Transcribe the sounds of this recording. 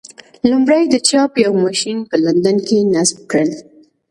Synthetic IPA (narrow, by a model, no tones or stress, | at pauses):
lumɽajd̪ət͡ʃɑpjawmɑʃinpəland̪ankenasb̚kɽəl